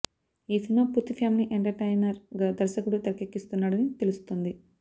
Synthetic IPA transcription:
iːsinoːpuɾt̪ːipʰaːmniʔeɳʈɐɾʈejnɐɾɡaːd̪ɐɾsɐkuɽut̪ɐɾɐkekːist̪unːaːɽɐnit̪e̞lust̪ond̪i

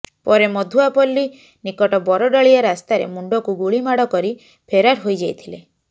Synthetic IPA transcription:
pɔɾemɔd̪ʱuapɔlːi | nikɔʈɔbɔɾɔɖɔɭiaɾast̪aɾḛmuɳɖɔkuɡuɭimaɽɔkɔɾi | pʰeɾaɾɦojd͡ʒajt̪ʰile

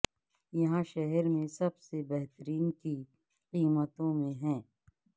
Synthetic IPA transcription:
jɐɦãʃɛɦɛɾmẽsɐbsebɛɦt̪əɾiːnki | qiːmət̪õmẽɦɛ̃ː

